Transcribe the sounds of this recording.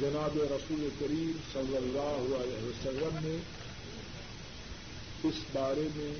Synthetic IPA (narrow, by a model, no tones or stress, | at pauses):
d͡ʒɐnaːbeɾɐsuːlekɐɾiːmsɐlːəlːaːɦʊaːlɛɦʋɐsɐlːəmːẽ | ɪsbaːɾemẽ